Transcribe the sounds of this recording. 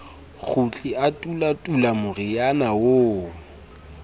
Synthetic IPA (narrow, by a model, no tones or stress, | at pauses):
k͡xʰʊt͡ɬʼiatʼulatʼulamʊrɪjanawo